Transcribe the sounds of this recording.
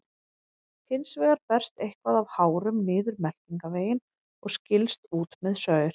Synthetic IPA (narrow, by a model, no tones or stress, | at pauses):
t̪ʰɪnsvɛːɣaɾpɛr̥st̪ejhkvaðavhaːwɾʏmnɪːðʏɾmɛl̥ciŋkaveːjɪn | ɔɣscɪlst̪uːt̪mɛðsœːɥʏɾ̥